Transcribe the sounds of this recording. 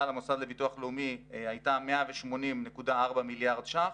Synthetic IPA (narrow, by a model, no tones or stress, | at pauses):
lamosad̪lebituaχleumiajtameaveʃmo̞nimne̞kudaaʁbamiljaʁdʃa